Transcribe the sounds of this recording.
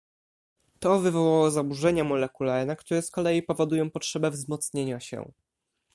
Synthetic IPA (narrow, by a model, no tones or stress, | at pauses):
t̪ɔvɘvɔwawɔzabuʐɛɲamɔlɛkulaɾɘnakt̪uɾɛskɔlɛipɔvɔd̪ujɔ̃w̃pɔtʂɛbɛvzmɔt̪sɲeɲaɕɛ̰